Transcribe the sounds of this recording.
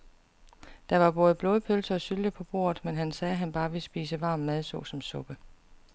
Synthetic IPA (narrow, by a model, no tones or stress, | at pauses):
d̥ɑ̈ʋɑ̈b̥ɔ̽ːð̞ˠb̥lɔːðˠəpʰølsɐːsyld̥əpʰɒ̽b̥o̝̰ːɐ̰ð̩ˠmenɦænsɛːɦænb̥ɑ̈ːʋe̝sb̥ḭːsəʋɑ̈ːmːmæð̞ˠsɔ̽sɒ̽msɔ̽b̥ə